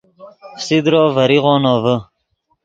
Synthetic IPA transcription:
fsid̪ɾoːvɐɾiʁɔːnɔːvə

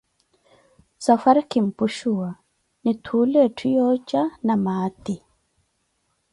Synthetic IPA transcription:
safaɾkim̩puʃua | nitʰulɛtʰijɔt͡ʃanamaːt̪i

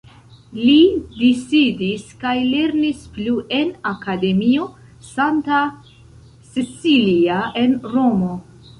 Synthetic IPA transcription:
lidisidiskajle̞ɾnispluʔe̞nakade̞mio̞ | santa | sisiliae̞nɾo̞mo̞

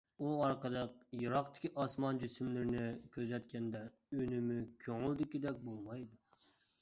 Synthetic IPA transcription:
uɑɾqəlˠəq̚jɨɾɑqt̪ʰɪ̥kʲʰiʔɑsmɑnd͡ʒysymlɪɾɪnɪkʲʰøzɛt̪̚kʲʰɛnd̪ɛ | ynɪmykʲʰøŋɪld̪ɪkʲid̪ɛk̚ʲbolˠmɑjd̪u

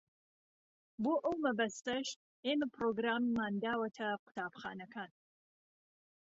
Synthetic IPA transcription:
boːʔɐwmɐbɐst̪ɐʃ | eːmɐpʰɾoːɡɾaːmːaːnd̪aːwɐt̪ʰɐqʊ̥t̪ʰaːbxa̰ːnɐkʰaːn

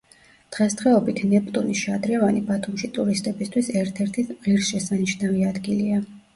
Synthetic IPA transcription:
d̪̥ʁɛst̪ʰχʁɛɔbit̪ʰnɛpʼt̪ʼuniʃad̪ɾɛvanibat̪ʰumʃit̪ʼuɾist̪ʼɛbist̪ʰwisɛɾt̪ʰɛɾt̪ʰiʁiɾsʃɛsaniʃnaviad̪ɡilia

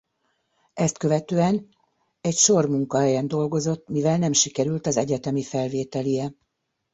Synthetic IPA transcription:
ɛst̪kø̞vɛt̪øːɛn | ɛcʃo̞rmuŋkɒɦɛjɛnd̪o̞lɡo̞zo̞t̪ːmivɛlnɛmʃikɛɾylt̪ɒzɛɟɛt̪ɛmifɛlveːt̪ɛlijɛ

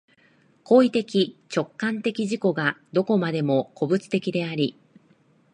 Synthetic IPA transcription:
ko̞ːit̪e̞kʲit͡ɕo̞kːãnt̪e̞kʲiʑiko̞ɡad̪o̞ko̞mad̪e̞mo̞ko̞bɯ̟t͡sɨ̥t̪e̞kʲid̪e̞aɾʲi

